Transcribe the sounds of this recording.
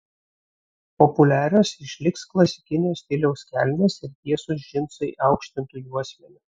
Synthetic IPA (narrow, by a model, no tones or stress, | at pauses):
pɔpʊlʲæːɾʲoːsɪʃʲlʲɪksklˠɐsʲɪ̥kʲɪnʲɪjoːst̪ʲɪlʲɛʊskʲæ̰ˑlʲnʲeːsɪɾt̪ʲiɛsʊs̬ʒʲɪnsɐɪʔɑˑʊkʃʲt̪ʲɪnt̪uːjuɑːsʲmʲɛnʲu